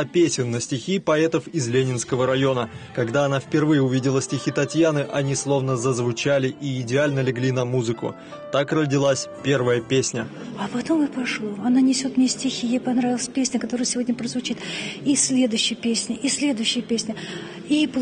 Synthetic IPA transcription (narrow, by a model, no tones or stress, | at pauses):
ɐpʲesʲɪnːəsʲtʲɪxʲipɐɛt̪əfɪzlʲenʲɪnskəvəɾɐjo̞nəkɐɡd̪aɐnafpʲɪrvɨjəʊvʲidʲɪlˠəsʲtʲɪxʲit̪ɐtʲjanɨʔɐnʲislˠo̞vnəzəzvʊt͡ɕalʲɪʔiːdʲɪalʲnəlʲɪɡlʲinɐmuzɨkʊ̰ | t̪akrədʲɪlˠasʲpʲe̞rvəjəpʲesʲnʲə | ɐpɐt̪omɨpɐʂlˠoɐnanʲɪsʲo̞t̪mnʲesʲtʲɪxʲijapɐnɾavʲɪlˠəsʲpʲesʲnʲəkɐt̪o̞ɾɨjəsʲɪvo̞dʲnʲəpɾəzvʊt͡ɕit̪isʲlʲe̞d̪ʊjɕːɪjəpʲesʲnʲɪʔisʲlʲe̞d̪ʊjɕːɪjəpʲesʲnʲə | ip